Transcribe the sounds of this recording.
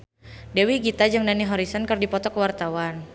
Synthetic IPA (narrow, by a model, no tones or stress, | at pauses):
dewiɡit̪ad͡ʒɨŋdaniɦɔɾisɔnkərdipɔt̪ɔkəwart̪awan